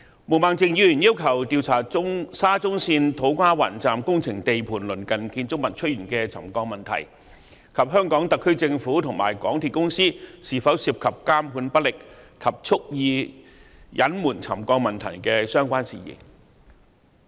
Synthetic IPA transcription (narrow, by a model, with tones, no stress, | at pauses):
mu˨˩maː˨˩ŋt͡sɪ˧ŋjyː˨˧jyː˨˩njiː˥wkʰɐ˨˩wt̪iː˧wt͡sʰaː˨˩ʊ˥ŋsaː˥t͡sʊ˥ŋsiː˧nt̪ʰo˨˥wkʷaː˥wa̰ː˨˩nt͡saː˨mkʊ˥ŋt͡sʰɪ˨˩ŋt̪e˨jpʰuː˨˩nlɵ˨˩nkɐ˨nkiː˧nt͡sʊ˥k̚mɐ˨˩t̚t͡ʃʰɵ˥t̚jyː˨˩nkɛː˧t͡sʰɐ̰˨˩mkɔː˧k̚mɐ˨nt̪ʰɐ̰˨˩j | kʰɐ˨p̚ɦœː˥ŋkɔː˨˥ŋt̪ɐ˨kʰːɵ˥ɥt͡sɪ˧ŋfuː˨˥t̪ʰʊ˨˩ŋma̰ː˨˩jkɔ̰ː˨˥ŋt̪ʰiː˨t̚kʊ˥ŋsiː˥siː˨˩fɐ˨˥wsiː˧p̚kʰɐ˨p̚kaː˥mpʰuː˨˧˥npɐ˥t̚lɪ˨k̚kʰɐ˨p̚t͡sʰʊ˥k̚jiː˧ | jʔɐ̰˨˥nmuː˨˩nt͡sʰɐ˨˩mkɔː˧k̚mɐ˨˩nt̪ʰɐ̰˨˩jkɛː˧sœː˥ŋkʷaː˥nsḭː˨jɪ̰˨˩ŋ